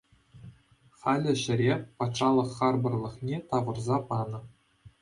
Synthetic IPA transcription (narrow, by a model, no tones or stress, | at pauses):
χɑlʲɘ̆ʑɘ̆ɾʲepɑt̪ʂɑlˠɤ̆χːɑrbɤ̆rlˠɤ̆χnʲet̪ɑʋɤ̆rzɑpɑnɤ̆